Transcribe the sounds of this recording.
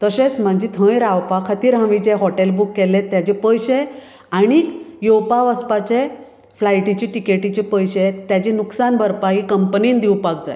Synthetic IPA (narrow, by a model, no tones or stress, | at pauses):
t̪əɕet͡sm̤əɳd͡ʑit̪ʰə̃jɾawpakʰət̪iːɾɦãʋit͡ɕeɦɔʈelbukːɛlẽt̪jat͡ɕepəjɕe | aɽ̃ikjowpaʋəspat͡ɕe | flajʈit͡ɕiʈikeʈit͡ɕepəjɕet̪jat͡ɕinuksanbʱəɾpaɦikəmpniːnd̪iwpak̚d͡zaj